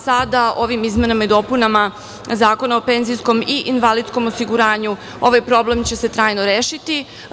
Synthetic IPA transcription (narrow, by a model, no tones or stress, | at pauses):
sad̪ao̞ʋimizmenamaid̪o̞punama | zaːko̞naope̞nzijsko̞miʔinʋalid̪skomosiɡuɾaːɲu | o̞ʋajpɾo̞ble̞mt͡ɕe̞se̞t̪ɾaːjnoɾeːʃit̪i